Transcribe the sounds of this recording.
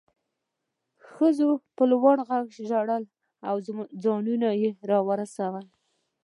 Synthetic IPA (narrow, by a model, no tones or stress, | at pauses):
xəzopəlwaɽɣaɡʃʒaɽəl | awd͡zɑnunajeɾɑwəɾasawəl